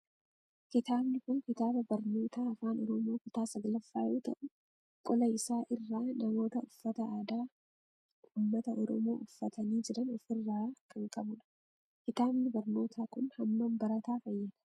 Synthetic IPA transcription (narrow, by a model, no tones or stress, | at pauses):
kɪt̪aːbnɪkʊŋkɪt̪aːbɐbɐɾno̞ːt̪aːɐfaːnɔɾɔmoːkɪt̪aːsɐɡlɐfːaːjuːt̪ɐ̰ʔʊ | kʼɔlɐɪsaːʔɪrːaːnɐmo̞ːt̪ɐʊfːɐt̪ɐaːd̪aː | ʊmːɐt̪ɐʔɔɾɔmoːʔʊfːɐt̪ʰɐniːd͡ʒɛɾɐnɔfɪrːaːkʼɐŋkʼɐbʊnɐ̥ | kɪt̪aːbnɪbɐɾno̞ːt̪ʰaːkʊnhɐmːɐmbɐɾɐt̪aːfɐjːɐd̪̥ɐ̥